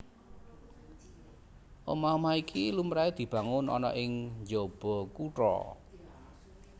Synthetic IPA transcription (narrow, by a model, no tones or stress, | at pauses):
ʔomamaikʰilumɾaid̪̥i̤b̥ä̤ŋʊnʔɔ̰nɔ̰ʔɪŋɲd͡ʒob̥ɔ̤kuʈɾɔ̰